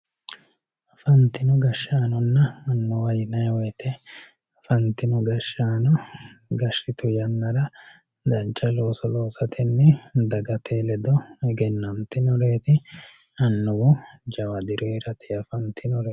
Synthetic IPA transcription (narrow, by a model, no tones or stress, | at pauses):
ɐfɐnt̪ɪnɔɡɐʃːaːnɔnːɐɐnːɔwɐjɪnɐjwɔjt̪ʰɛ | fɐnt̪ɪnɔɡɐʃaːnɔ | ɡɐʃɪt̪ʊjɐnːɐɾɐ | d̪ɐnt͡ʃʼːɐlo̞ːsɔlo̞ːsɐt̪ʰɪnːɛd̪ɐɡɐt̪ʰeːlɛd̪ɔɛɡɛnːɐnt̪ɪnɔɾe̞ːt̪ɪ | ɐnːʊwʊd͡ʒɐwɐd̪ɪɾeɾɐt̪ɪɐfɐnt̪ɪnɔɾe